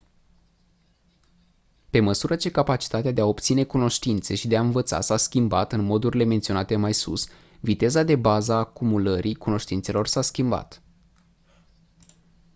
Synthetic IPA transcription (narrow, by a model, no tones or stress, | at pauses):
pe̞məsuɾət͡ʃe̞kapat͡ʃi̥t̪at̪ead̪eao̞pt̪sine̞kuno̞ʃt̪int̪se̞ʃid̪eaɨnvət̪sa̰saskʲimba̰t̪ɨnmo̞d̪uɾile̞ment̪sio̞nat̪e̞majsṵs | vit̪e̞zad̪e̞bazaːkumuləɾʔikuno̞ʃt̪int̪se̞lo̞rsaskʲimba̰t̪